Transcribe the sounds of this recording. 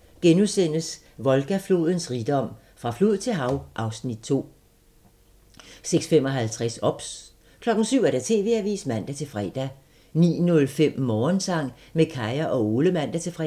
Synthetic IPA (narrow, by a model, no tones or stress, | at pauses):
ɡ̥enusen̰əs | ʋɒ̽lɡ̥æflo̝̰ːð̞ˠən̩sʁid̥ɒ̽m̰ | fʁɑ̈flo̝ð̩ˠt͡sʰe̝lɦɑ̈ʊʔɑ̈ʊsnid̥̚t͡sʰo̝̰ː | seɡ̥sfem̰ɒ̽ɦælt͡sʰʁɛsɒ̽b̥s | kʰlɒ̽ɡ̥n̩syʊ̰æɐd̥æt͡sʰe̝̰ːʋe̝ːæʋḭːsmæn̰d̥æt͡sʰe̝lfʁɛːd̥æ | nḭːnɔ̽lfem̰mɒːnsɑ̈ŋ̰ | mekʰɑ̈ɪɐʔɒ̽o̝ːləmæn̰d̥æt͡sʰe̝lfʁɛ̰